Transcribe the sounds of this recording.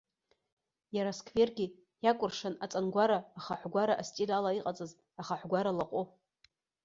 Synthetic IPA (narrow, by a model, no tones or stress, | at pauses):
jaɾaskʰʼve̞rɡʲi | jakʷʼʊrʂanat͡sʼanɡʷaɾaːχaħʷɡʷaɾaʔastʼilalaiqʼat͡sʼɨz | aχaħʷɡʷaɾalaqʼo